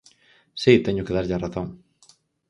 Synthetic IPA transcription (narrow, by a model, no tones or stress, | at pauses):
sit̪eɲʊkeðaɾʎaraθõŋ